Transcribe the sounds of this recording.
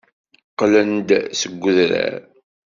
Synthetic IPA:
qlənd̪səɡʷːʊðɾæ̰ɾ

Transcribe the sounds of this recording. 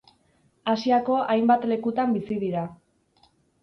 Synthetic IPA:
asiako̞ʔajmbat̪le̞kut̪ambisiðiɾa

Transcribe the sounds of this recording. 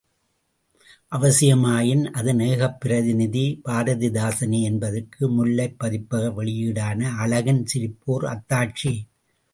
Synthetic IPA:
ʔɐʋɐsɪjɐmaːjɪnʔɐðɯneːɣɐpːɪɾɐðɪnɪðib̥aːɾɐðɪd̪aːsɐniɛnbɐðɐkʰːɯmʊlːɐɪpːɐðɪpːɐɣɐʋɛɭɪjiɽaːnɐːlɐɣɐnsɪɾɪpːoːɾɐ̰t̪ːaːʈ̚t͡ʃi

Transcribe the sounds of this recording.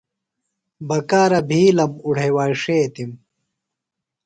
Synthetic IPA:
bɐkaːɾɐbʱiːlɐmuɽ̤ʱewaːʂeːt̪im

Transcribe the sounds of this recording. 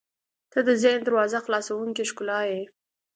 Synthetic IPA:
t̪əd̪əzend̪əɾwɑzaxlɑsawuŋkeʃkʊlɑje

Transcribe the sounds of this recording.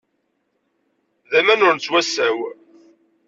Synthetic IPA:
ðæmænʊɾnt͡sːwæsːæw

